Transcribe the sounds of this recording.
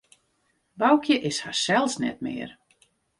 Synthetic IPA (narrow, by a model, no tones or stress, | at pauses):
bawkʰjəʔɪshasɛlˠsnɛ̰t̚mɪ̰ːr